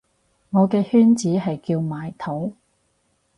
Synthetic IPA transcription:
ŋɔː˨˧kɛː˧hyː˥nt͡siː˨˥ɦɐ˨jkiː˧wmaː˨jt̪ʰo˨˥w

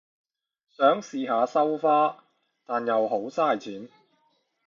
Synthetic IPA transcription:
sœː˨˥ŋsiː˨ɦaː˨˧sɐ˥wfaː˥ | t̪aː˨njɐ˨wɦo˨˥wsaː˥˩jt͡sʰiː˨˥n

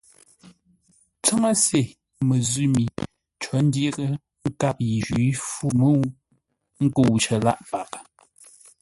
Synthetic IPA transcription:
t͡sə˦ŋə˦se˨ | mə˨zʉ˦mi˨ | t͡ʃɔ˨˦n̩˦djɣə˦ | ŋ̩˦ka˦p̚ji˨ʒɥi˨˦fu˦mə˦˨˦ | ŋ̩˦ko˦˨wt͡ʃə˨la̰˦ʔpa˨k

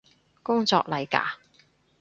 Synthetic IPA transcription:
kʊ˥ŋt͡sɔ̰ː˧k̚lɐ˨˧jka̰ː˨˥

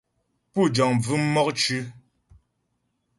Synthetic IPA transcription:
pu˦˨d͡ʒɔ˨ŋb͡vʉ˦m̩˦mɔ˦k̚t͡ʃʉ˦

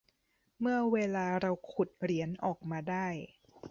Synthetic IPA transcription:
mɯ˥˩ɐweː˧laː˧ɾa˧wkʰu˨˩t̪̚ɾi˩˦ənʔɔː˨˩k̚maː˧daː˥˩j

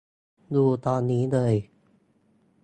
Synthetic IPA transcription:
duː˧˩t̪ɔː˧nːiː˦˥lɤː˧j

